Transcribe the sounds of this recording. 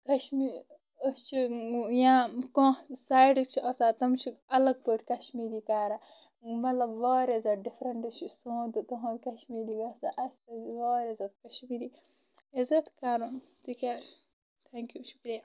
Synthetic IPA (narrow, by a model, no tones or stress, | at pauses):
kɐʃmi | əst͡ʃʰijãːkõsaːjɖɨk̚t͡ʃʰiʔɐsaːt̪ɐmt͡ʃʰiɐlɐɡ̚pəʈʰʲkɐʃmiːɾiːkaːɾa | mɐt̪lɐbʋoːɾezɐɖifʰɾɐɳʈɨt͡ʃʰisõːd̪ɨt̪ɐɦɐ̃ɾkɐʃmiːɾiːɡɐsaʔɐst̪ɐzʋoːɾezɐt̪̚kɐʃmiːɾiː | ezɐt̪kaːɾun | t̪ikaː | t̪ʰeːŋkjuʃu̥kɾija